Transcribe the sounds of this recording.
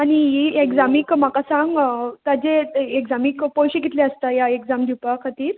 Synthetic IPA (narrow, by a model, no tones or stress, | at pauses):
aɽ̃iɦiekzamikm̤akasãŋɡt̪ad͡ʑeekd͡zamikpɔjɕeɡit̪leəst̪ajaekzamd̪ʱupakʰat̪iːɾ